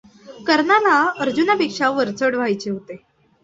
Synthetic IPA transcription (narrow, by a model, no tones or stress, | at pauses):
kəɾɳalaəɾd͡ʑunapekʂaʋəɾt͡səɽʋ̤ajt͡ɕeɦot̪e